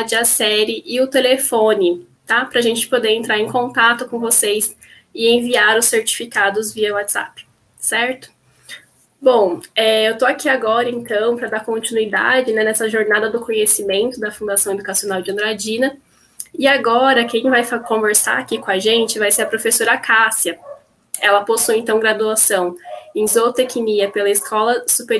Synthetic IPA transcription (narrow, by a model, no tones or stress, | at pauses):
d͡ʒɪɐsɛɾɪʔɪʊt̪elefõnɪ | t̪apɾɐaʒẽnt͡ʃɪ̥pod̪eɾẽnt̪ɾaɾẽkõnt̪at̪ʊkõvosejs | ɪẽviaɾʊseɾt͡ʃi̥fikad̪ʊzviɐwat̪z̥a̰pɪ̥ | sɛɾt̪ʊ̥ | bõw̃ɛewt̪oakiaɡɔɾɐẽnt̪ɐ̃w̃pɾɐd̪akõnt͡ʃinuid̪a̰d͡ʒɪnɛnɛsɐʒoɾnad̪ɐd̪ʊkõɲesimẽnt̪ʊd̪ɐfũd̪asɐ̃w̃ed̪ukasionawd͡ʒɪɐ̃d̪ɾad͡ʒĩnɐ | ɪaɡɔɾɐkẽj̃vajfkõveɾsa̰ɾakikõaʒẽnt͡ʃɪvajseɾɐpɾofesoɾɐkasiɐ | ɛlɐposujẽnt̪ɐ̃w̃ɡɾad̪uasɐ̃w̃ẽj̃zot̪ekiniɐpelɐɪskʰɔlɐsupeɾ